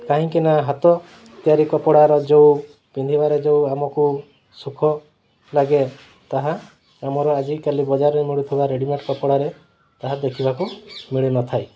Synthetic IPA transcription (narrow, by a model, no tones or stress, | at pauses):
kaɦĩŋkinaɦat̪ɔ | t̪jaɾikɔpɔɽaɾɔd͡ʒew | pind̪ʱibaɾed͡ʒewamɔku | sukʰɔ | laɡe | t̪aɦa | amɔɾɔad͡ʒikalibɔd͡ʒaɾɔemiɭut̪ʰibaɾeɽimeʈkɔpɔɽaɾe | t̪aɦad̪ekʰibakumiɭinɔt̪ʰaj